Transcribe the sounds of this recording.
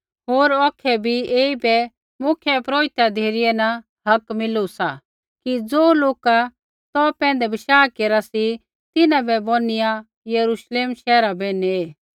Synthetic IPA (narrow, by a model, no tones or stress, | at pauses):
ɦoːɾɔːkʰɛbʱieːibɛ | mʊkʰjɛpɾoːɪt̪jad̪ʱeːɾɪjɛnɐ | ɦɐkmɪlusa | kid͡zoːloːka | t̪ɔpɛ̃ːnd̪ɛbɪʃaːkeːɾasi | t̪ɪnãbɛbonɪja | jɐɾuʃleːmʃɛːɾabenieː